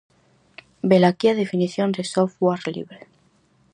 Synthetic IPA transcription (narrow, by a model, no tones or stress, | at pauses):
belakiaðefiniθjondesofwaɾlḭβɾe